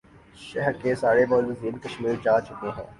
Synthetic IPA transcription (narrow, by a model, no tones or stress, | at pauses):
ʃɛɦɾkesaːɾebɔːlʊziːnkɐʃmiːɾt͡ʃaːt͡ʃʊkeɦɛ̰̃ː